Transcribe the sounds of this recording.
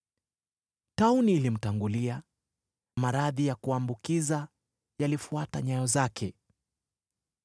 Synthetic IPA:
tauniːlim̩taŋɡulia | namaɾaðijakuambukiza | jalifuataɲajɔzakʰɛ

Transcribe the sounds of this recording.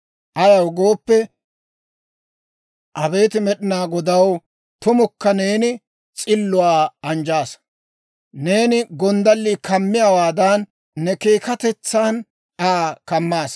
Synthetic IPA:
ʔɐjɐwɡo̞ːpːɛ | ʔɐbe̞ːt̪ɪmɛɗɪnaːɡɔd̪ɐw | t̪ʊmɔkːɐne̞ːnɪ | t͡sʼɪlːʊwaːɐnd͡ʒaːs | ne̞ːnɪɡɔnd̪ɐlːiːkʰɐmːɪjawaːd̪ɐnː | ɛke̞ːkɐt̪ɛt͡sːaːn | aːkɐmːaːs

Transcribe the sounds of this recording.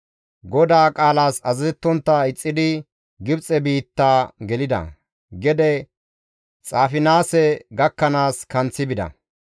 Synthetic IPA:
ɡɔd̪aːkʼaːlaːsɐzzɛt̪ːɔnt̪ːɐɪt͡sʼːɪd̪ɪ | ɡɪbt͡sʼɛbiːt̪ːaːɡɛlɪd̪ɐ̰ | ɡɛd̪ɛ | t͡sʼaːfɪnaːsɛɡɐkːɐnaːskɐnt͡sːɪbɪd̪ɐ̰

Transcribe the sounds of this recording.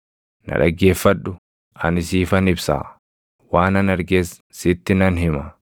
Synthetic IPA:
nɐ̰ᶑɐ̰ɡːe̞ːfːɐᶑʊ | ʔɐnɪsiːfɐnɪbsa̰ː | waːnɐnɐɾɡeːs | sɪt̪ːɪnɐnhɪmɐ

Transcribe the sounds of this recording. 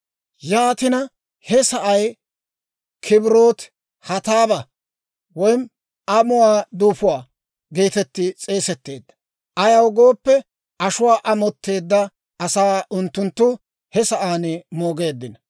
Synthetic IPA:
jaːt̪ɪnɐ | hɛsɐʔɐj | kʰɪbɪɾo̞ːt̪ | hɐt̪aːbɐ | wɔjn | ʔɐmʊwaːd̪uːfʊwaː | ɡeːt̪ɛt̪ːɪt͡sʼe̞ːsɛt̪ːe̞̰ːd̪ːɐ̥ | ʔɐjɐwɡo̞ːpːɛ | ʔɐʃʊwaːʔɐmɔt̪ːe̞ːd̪ːɐ | ɐsaːʊnt̪ːʊnt̪ːʊ | hɛsɐʔaːnmo̞ːɡe̞ːd̪ːɪnɐ

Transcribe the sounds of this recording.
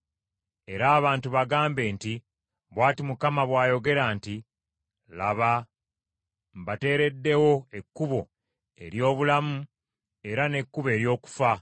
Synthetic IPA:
e̞ɾaːβaːntuβaɡaːmbe̞ːnti | βwaːtimukamaβwaːjo̞ɡe̞ɾaːnti | laβa | mbate̞ːɾe̞dːe̞wo̞e̞kːuβo̞ | e̞̰ɾjo̞ːβulamu | e̞ɾane̞kːuβe̞ːɾjo̞ːku̥fa

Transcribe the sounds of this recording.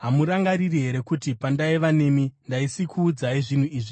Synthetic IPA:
ɦamuɾaŋɡaɾiriɦe̞ɾe̞kutipandaiʋane̞mindaisikʰuːd͡zaiʐin̤uiːʐi

